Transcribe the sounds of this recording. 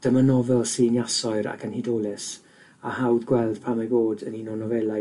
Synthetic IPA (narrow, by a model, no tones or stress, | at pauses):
d̥əmənɔvɛlˠsiːnjasɔɨɾa̰kʰənhidoːlˠɪs | a̰hawdɡwɛlˠd̥pʰamajboːdəninɔnɔvɛlˠa